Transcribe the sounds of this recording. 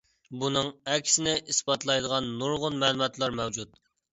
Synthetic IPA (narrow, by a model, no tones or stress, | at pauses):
bunɨŋɛkʲʰsɪnɪʔisbɑt̪lˠɑjd̪əʁɑnːuɾʁʊnmɛːlˠumɑt̪lˠɑɾmɛwd͡ʒut̪̚